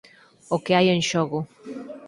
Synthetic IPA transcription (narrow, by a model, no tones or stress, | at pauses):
okeajẽŋʃoɣʊ